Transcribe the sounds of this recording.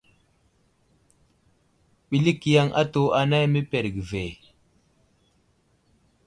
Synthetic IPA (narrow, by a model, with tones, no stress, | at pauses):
ɓi˨li˦ki˨ja˦ŋʔa̰˦to˦a˨na˦jme˦pe˨ɾɡi˨ve˨